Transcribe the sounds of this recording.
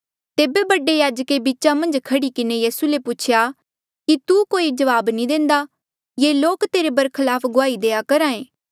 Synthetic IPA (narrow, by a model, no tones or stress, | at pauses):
t̪eːbebɐɖejaːd͡ʒkebiːt͡ʃamɐ̃nd͡ʒkʰɐɽikɪnejiːsuleput͡ʃʰja | kit̪ukoːid͡ʒɐʋaːbnĩd̪ẽːnd̪a | jeːloːkt̪eːɾebɐɾkʰəlaːpʰɡʊaːid̪eːjakɐɾãːẽː